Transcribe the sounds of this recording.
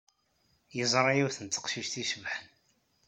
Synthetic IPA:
jəzˤɾˤɑjiwθənt̪ːə̥qʃiʃt̪isəvħən

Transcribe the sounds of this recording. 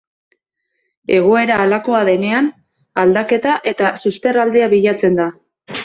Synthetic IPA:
e̞ɣ̞o̞e̞ɾaːlako̞aðe̞ne̞an | ald̪ake̞t̪aʔe̞t̪asuspe̞rald̪eaβiʎat͡se̞nd̪a

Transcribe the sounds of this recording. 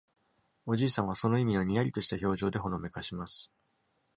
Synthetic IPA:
o̞d͡ʑiːsãɰ̃β̞aso̞no̞imʲinoɲ̟ijaɾʲit̪o̞ɕi̥t̪aço̞ːʑo̞ːd̪e̞ɦo̞no̞me̞kaɕimasɨ̥

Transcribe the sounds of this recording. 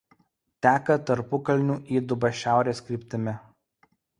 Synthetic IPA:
t̪ʲæːkɐt̪ɐɾpʊkɐlʲnʲuːʔiːd̪ʊbɐʃʲæˑʊɾʲeːskɾʲɪːˑpʲt̪ʲɪmʲɪ

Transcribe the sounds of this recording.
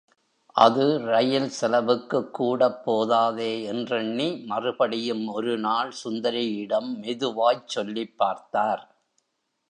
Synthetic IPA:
ʔɐðɯɾɐjɐlsɛlɐʋɯkːɯkːuːɽɐpːoːðaːðeːɛndrɐɳːimɐrɯbɐɽɪjɯmɔɾɯnaːɭsʊnd̪ɐɾɪjɪɽɐmːɛðɯʋaːjt͡ʃːɔlːɪpːaːɾt̪aːɾ

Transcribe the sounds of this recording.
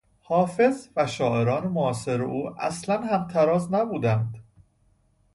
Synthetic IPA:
hɒːfe̞zvæʃɒːʔe̞ɾɒːnemoɒːse̞ɾḛʔuːʔæ̰slænhæmt̪ʰæɾɒːznæbuːd̪ænd̪̥

